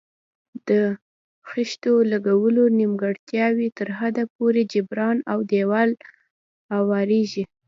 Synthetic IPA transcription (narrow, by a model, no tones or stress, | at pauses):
d̪̥ə | xɪʃt̪olaɡawəlonimɡaɽt̪jɑwit̪əɾɦad̪ap̚oɾed͡ʒɪbɾɑnawd̪ewal | hawɑɾeʒi